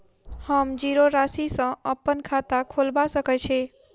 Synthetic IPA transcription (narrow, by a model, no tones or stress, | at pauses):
həmd͡ʒiɾoɾasisə̃ʔəpːənkʰat̪akʰolbasəkɛt͡ʃʰɛ